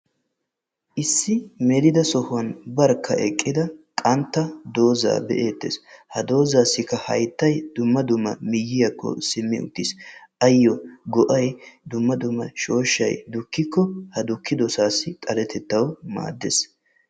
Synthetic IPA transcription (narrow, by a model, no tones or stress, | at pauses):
ʔɪsːɪmɛd̪ɪd̪ɐsɔhʊwɐnbɐɾkʰːɐʔɛkʼːɪd̪ɐkʼɐnt̪ːɐd̪o̞ːza̰ːbɛ̰ʔeːt̪ːḛshɐd̪o̞ːzaːsːɪkːɐhɐ̰jt̪ːɐjd̪̥ʊmːɐd̪ʊmːɐmɪjːɪjɐkːɔ̰sɪmːɪʊ̰t̪ːɪsʔɐjːɔɡɔʔɐjd̪ʊmːɐd̪ʊmːɐ̰ʃo̞ːʃːɐ̰jd̪ʊkːɪkːɔhɐd̪ʊkːɪd̪ɔsaːsːɪt̪ʼɐlɛt̪ʰɛt̪ːɐwma̰ːd̪ːes